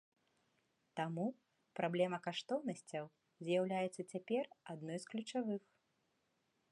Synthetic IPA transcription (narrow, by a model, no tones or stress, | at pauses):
t̪amu | pɾablʲɛmɐkaʂt̪ɔwn̪ɐsʲt͡sʲɐw | zʲjawlʲajɛt̪sːɐt͡sʲapʲɛrad̪nɔjsklʲut͡ʂavɨx